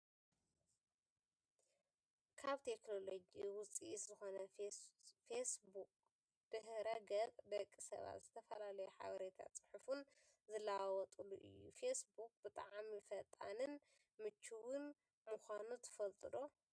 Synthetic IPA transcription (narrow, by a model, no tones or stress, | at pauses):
kʰaβt̪ʰe̞kno̞lod͡ʒiwʊt͡sʼiszɨxo̞nɐ | fesbuk̚ | d̪̥ɨhɾɐɡɐkʼd̪ɐkʼːisɐ̰βa̰t̪zɨt̪ʰɐfɐlalɐjɛħa̰βɐɾet̪ʰa̰t͡sʼɨ̥ħufun | zɨlawɔt̪ʼuluʔɨ̰jːṵfesbukʼbɨt̪ʼaʕmifɐt̪ʼa̰nɨn | mɨt͡ʃʰːuwɨn | muxʷanut̪ʰɨ̥fɐlt̪ʼɨd̪o